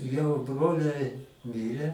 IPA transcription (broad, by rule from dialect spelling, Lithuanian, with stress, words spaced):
jɛʊ ˈbroːlʲɛɪ ˈmʲiːrʲɛ